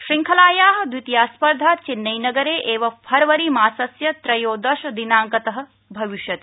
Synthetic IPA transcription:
ʃɾiŋkʰɐlaːjaːɦɐ̆d̪ʋit̪jaːspɐɾd̪ʱaːt͡ʃinːɐjnɐɡɐɾeːʔeːʋɐpʰɐɾʋɐɾimaːsɐsjɐt̪ɾɐjoːd̪ɐʃɐd̪inaːŋkɐt̪ɐɦɐ̆ | bʱɐʋiʃjɐt̪e̥

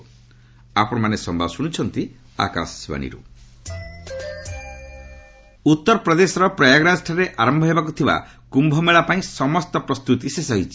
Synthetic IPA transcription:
apɔɽ̃ɔmanesɔmbʱabɔsuɽ̃ut͡ʃʰɔnt̪i | a̰ka̰ssiba̰ñḭɾṵ | ut̪ːɔɾɔpɾɔd̪esɔɾɔpɾɔjaɡɾasʈʰaɾeʔaɾɔmbʱɔɦebakut̪ʰiba̰ | kumbʱɔmeɭapaĩsɔmɔst̪ɔpɾɔst̪ut̪isesɔɦit͡ʃʰi

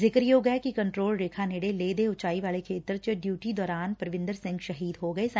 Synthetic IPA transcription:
zɪkɾjoːɡɛekikɐ̃ɳʈɾoːlɾeːkʰaneɽeleːd̪eʊt͡ʃaːiʋaːlekʰeːt̪ɾt͡ʃeɖjuːʈid̪ɔːɾaːnpɾɐʋɪ̃nd̪əɾsɪ̃ŋɡʃɐɦiːd̪ɦoɡɐes

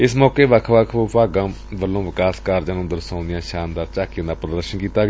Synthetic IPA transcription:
ɪsmɔːkeːʋəkʰʋəkʰopaːɡãː | ʋəlːõːʋɪkaːskaːɾd͡ʒãːnũːd̪əɾsãːnd̪ɪjãːʃaːnd̪aːɾt͡ʃaːkijãːd̪aːpɾəd̪əɾʃənkiːt̪aːɡ

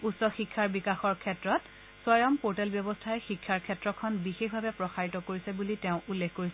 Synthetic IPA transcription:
utsɔxikʰːaɹbikaxɔɹkʰɛtɹɔt | sɔjɔmpoɹtɛlbjɔbɔstʰaɛxikʰːaɹkʰɛtɹɔkʰɔnbixexbʱabɛpɹɔxaɹitɔkoɹisɛbuliteʊ̃ʔulːekʰkoɹisɛ

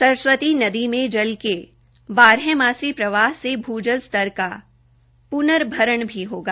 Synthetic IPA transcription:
sɐɾswət̪inɐd̪imẽd͡ʒɐlke | baːɾẽmaːsipɾɐʋaːɦsebʱuːd͡ʒəzt̪ɐɾka | pʊnəɾbʱɐɾəɳ̃bʱiɦoːɡaː

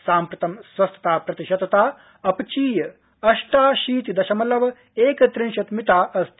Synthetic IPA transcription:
saːmpɾɐt̪ɐmsʋɐst̪ʰɐ̥t̪aːpɾɐt̪iʃɐt̪ɐt̪aː | ɐpt͡ʃiːjɐ | ɐʃʈaːʃiːt̪id̪ɐʃɐmɐlɐʋɐ | eːkɐt̪ɾinʃɐt̪mit̪aːʔɐst̪

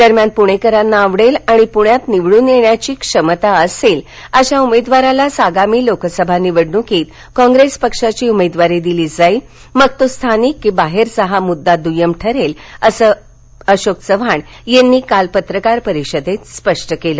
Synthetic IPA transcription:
d̪əɾmjanpuɽ̃ekəɾanːaːʋɽelaɽ̃ipuɳjat̪niʋɭuːnjeɳjat͡ɕiːkʂəmət̪aəsel | əɕaumed̪ʋaɾalasaɡamiːlokəsəbʱanːiːʋəɽnũkeːt̪ | kɔ̃ŋɡɾespəkʂat͡ɕiːumed̪ʋaɾed̪iliːd͡zaiː | məɡ̚t̪ost̪ʰanikʋĩbaɦeɾsəɦamud̪ːad̪ujəmʈʰəɾeləsəː | əɕoksəʋʱaɳ | jenːiːkalpət̪ɾəkaɾpəɾiɕəd̪ʱet̪spəʂʈəkeləː

